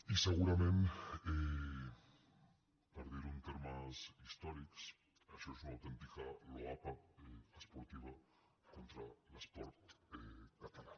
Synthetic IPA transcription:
isəɣ̞uɾamẽne | paɾðiɾunt̪eɾmasist̪ɔɾiks | aʃɔesunawt̪ent̪ikaloapaeəspoɾt̪iβ̞a | kont̪ɾalaspɔɾt̪ekat̪ala

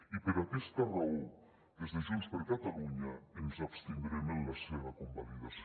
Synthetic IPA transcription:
ipeɾakest̪arau | d̪ezðeʒonspeɾkat̪aluɲaemzapst̪eŋɡɾemenlaseβakombaliðas

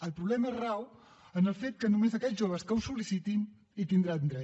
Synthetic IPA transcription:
əlˠpɾuβlɛməezraw | ənəlˠfet̪̚kənumezəkɛʒoβ̞əskəwsulisit̪in | it̪ind̪ɾand̪ɾɛ

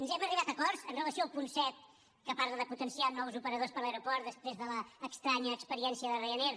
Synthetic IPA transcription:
nzɛməriβat̪əkɔɾzənrələsiolˠpunsɛt̪̚ | kəpaɾðəðəput̪ənsianɔwzupəɾəðospəɾləɾupɔɾt̪d̪əspɾezðələːkst̪ɾaɲəːkspəɾiɛnsiəðərəjəneɾ

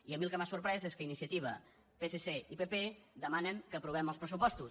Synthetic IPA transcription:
iəmilˠkəmasuɾpɾɛzeskəinisiət̪iβ̞ə | peseseipeped̪əmanəŋkəpɾuβ̞ɛməlˠspɾəs̬upɔst̪u

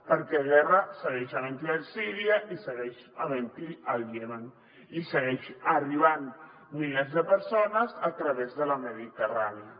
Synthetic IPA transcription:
pəɾkɛɣɛrəsəɣɛʃaβent̪iasiɾiaʔisəɣɛʃaβent̪ialjɛman | isəɣɛʃariβan | milɛzðəpəɾsonəzat̪ɾəβezðəlaməðit̪əraneə

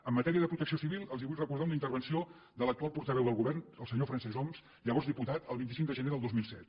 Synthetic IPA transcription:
əmːət̪ɛɾiəðəpɾut̪əksiosiβilˠəlˠziβujrəkuɾð̞aunəint̪əɾβənsio | d̪ələk̚t̪ualˠpuɾt̪əβɛwðəlˠɣuβɛrnəlˠsəɲofɾənsɛzɔmz | ʎəβɔrzðiput̪at̪əlˠβint̪isiŋd̪əʒəneðəlˠozmilˠsɛt̪

